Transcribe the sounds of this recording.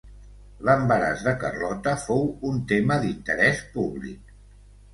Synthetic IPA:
ləmbəɾa̰zðəkə̰rɔt̪əfowunt̪eməðint̪əɾɛspuβlḭk̚

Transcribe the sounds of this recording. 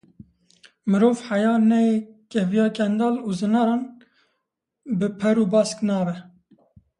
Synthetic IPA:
mɨɾoːvħajɑːnɛekɛvijɑːkʰɛnd̪ɑːluːzɨnɑːɾɑːn | bɨpʰɛɾuːbɑːsknɑːvɛ

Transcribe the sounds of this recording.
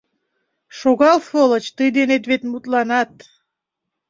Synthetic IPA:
ʃoɣɑlfolət͡ɕt̪əjd̪enet̪βet̪mut̪lɑnɑt̪

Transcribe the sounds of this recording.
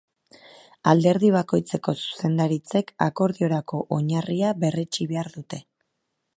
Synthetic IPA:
ald̪e̞ɾðiβ̞ako̞jt͡se̞ko̞su̥se̞nd̪aɾit͡se̞ka̰ko̞ɾðio̞ɾako̞ʔoɲariaβe̞re̞t͡ʃiβe̞aɾðut̪e̞

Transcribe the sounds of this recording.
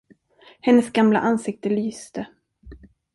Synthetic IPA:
hɛnːəsɡamla̰ʔansɪk̚t̪əlyːst̪ə

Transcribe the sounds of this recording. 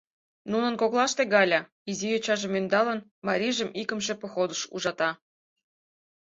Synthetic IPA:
nunə̆nkoklˠɑʃt̪eɣɑlʲɑ | izijot͡ɕɑʒĕmynd̪ɑlə̆nmɑɾʲiʒə̆mikə̆mʃĕpɤ̆xod̪əʃṵʒɑt̪ɑ

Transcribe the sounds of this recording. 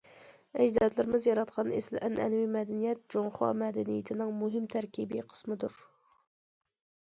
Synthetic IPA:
ɛd͡ʒd̪ɑd̪lɪɾɪmɪzjɑɾɑt̪qʰɑnḛslʔɛnʔɛnwimɛd̪ɪnijɛt̪̚d͡ʒoŋχɑ̰mɛd̪ɪnijɪt̪ʰɪnɪŋmuɦɪmt̪ʰæɾkʲʰibiqʰə̥smɨd̪uɾ

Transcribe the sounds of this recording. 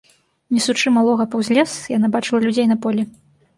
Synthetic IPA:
nʲɛsut͡ʂɨmalˠɔɣɐpɐwzʲlʲɛsjanabat͡ʂɨlˠɐlʲud͡zʲejnɐpɔlʲɛ

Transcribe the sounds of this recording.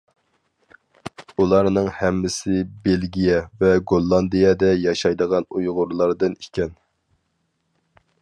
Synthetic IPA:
ulˠɑɾnɨŋhɛmːɪsɪbelɡʲijɛvɛɡolˠːɑnd̪ɨjɛd̪ɛjɑʃɑjd̪əʁɑnujʁʊɾlˠɑɾd̪ɨnikʲɛn

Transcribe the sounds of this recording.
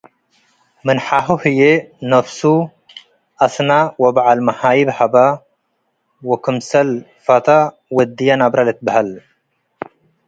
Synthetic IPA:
mɨnħaɦuhɨjenɐfsu | ʔɐsnawɐbʕalmɐħajibħaba | wɔkʰɨmsɐl | fat̪ʰa | wɔd̪ijanabɾalɨt̪bahɐl

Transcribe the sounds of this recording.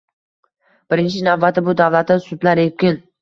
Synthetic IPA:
b̥ɪɾɪnt͡ʃʰɪnavːat̪ɪbʊd̪avlat̪ːɪsʊd̪laɾekʲɪn

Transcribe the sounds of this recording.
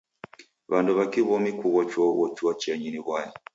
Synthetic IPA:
βanduβakiβɔmikuɣɔt͡ʃwɔɣɔt͡ʃwɔt͡ʃɛɲiniβwaja

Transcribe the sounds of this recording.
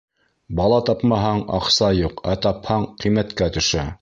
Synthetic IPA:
bɑlˠɑt̪ɑpmɑɦɑɴɑ̰qsɑjuqæt̪ɑphɑɴqimæt̪kæt̪ɵ̆ʃæ

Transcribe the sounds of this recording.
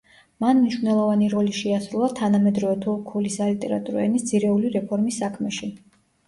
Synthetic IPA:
manmniʃvnɛlˠɔvaniɾɔliʃɛasɾulˠat̪ʰanamɛd̪ɾɔvɛt̪ʰukʰulisalit̪ʼɛɾat̪ʼuɾɛnisd̪z̥iɾɛuliɾɛpʰɔɾmisːakʰmɛʃi

